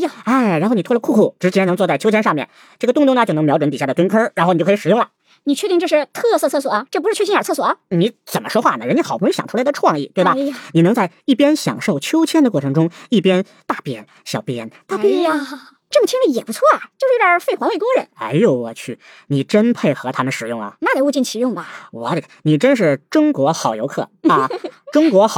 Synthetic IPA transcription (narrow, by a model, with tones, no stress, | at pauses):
a˥˩ɪɻa˧˥nxo˥˩ʊni˨˩tʰwə˧kʰu˥˧kʰu˥˩ʈ͡ʂɻ̩˧˥t͡ɕjɛ˥nɤ˧˥t͡swɔ˧t͡sa˥˩ɪt͡ɕʰo˥ʊt͡ɕʰjɛ˥nʂɑ˥˧mjɛ̰˥˩n | ʈ͡ʂɤ˥˩ɡə˩t̪ʊ˥˧ŋt̪ʊ˥ŋnə˧t͡ɕo˥˩˧ŋmjɑ˧˥ʊʈ͡ʂə˧˥nt̪i˨˩ɕa˥˩də˩kə˥nkʰə˥ɻa˧˥nxi˧˩˥ʂ̩˨˩jʊ˥˩lɐ˩ | ni˨˩t͡ɕʰɥɛ˥˧t̪i˥˧ŋʈ͡ʂɤ˥˧ʂɻ̩˧t̪ʰɤ˥˧sɤ˥˧t͡sʰɤ˥˩s̬wɔ˨˩ɐ˦ʈ͡ʂɤ˥˩pu˧˥ʂ̩ɻ̩˥˧t͡ɕʰi˥nə˞˨˩t͡sʰɤ˥˩swɔ˨˩ɐ˦ni˧˥t͡sə˨˩mə˦ʂwɔ˥xwa˥˩nə˩ɻə˧˥nt͡ɕjxɑ˨˩pʰɕj̰ʈ͡ʂʰu˥ld̪ə˧ʈ͡ʂʰwɑ˥˧ŋḭ˥˩t̪we˥˩bɐ˨˩˨ni˨˩nɤ˧˥ŋt͡sa˥˧ɪi˥˩pjɛ˥nɕjɑ̰˨˩ŋʂo˥˩ʊt͡ɕʰjo˥ʊt͡ɕʰjɛ˥nd̪ə˨kwɔ˥˩ʈ͡ʂʰɤ˧˥ŋʈ͡ʂʊ˥ŋi˥˩pjɛ˥n | t̪a˥˧pjɛ˥˩ɕjɑ˨˩ʊpjɛ˥nt̪a˥˩pu˥˩˧ | ʈ͡ʂɤ˥˩mə˩t͡ɕʰi˥ŋli˥˩jɛ˨˩pu˧˥t͡sʰwɔ˥˩ɐ˨˩t͡ɕjo˥˧ʊʂɻ̩˥˧˥ja˨˧˥fe˥˩ɪxwa˧˥nwe˥˩ɪt̪wɔ˥ɻə˧˥nxa˧˥ɪjo˧˥˩ʊwɔ̰˨˩t͡ɕʰy˥˩ | ni˨˩ʈ͡ʂə˥npʰe˥˩ɪxɤ˧˥t̪ʰa˥mə˨nʂɻ̩˨˩jʊ˥˩ŋɐ̰˩na˥˩e˩u˥˧t͡ɕi˥˩nt͡ɕʰi˧˥jʊ˥˩ŋbɐ˩wɔ̰˧˩˥ni˨˩ʈ͡ʂə˥nʂ̬ɻ̩˥˩ʈ͡ʂʊ˥ŋkwɔ˧˥xɑ˨˩ʊjo˧˥ʊkʰɤ̰˥˩ɐ˧ʈ͡ʂʊ˥ŋkwɔ˧˥x